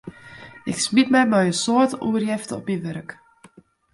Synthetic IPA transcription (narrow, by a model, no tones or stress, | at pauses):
ɪ̰ksmitmɛjmɛjəsoətuərjɛftɔ̰pəʋørək